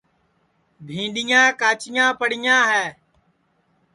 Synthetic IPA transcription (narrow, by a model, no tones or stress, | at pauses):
bʱĩːɖɪjãːkaːt͡ʃɪjãːpəɽɪjãːɦɛː